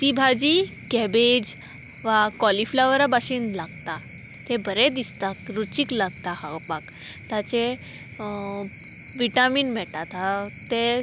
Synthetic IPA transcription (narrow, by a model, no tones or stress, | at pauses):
t̪ibʱad͡ʑiːkɛbed͡ʑ | ʋakɔliflaʋəɾabaɕiːnlaɡt̪a | t̪ebʱəɾed̪ist̪akɾut͡ɕiklaɡt̪ahawpakt̪at͡ɕe | ʋiʈamiːnmɛʈat̪at̪e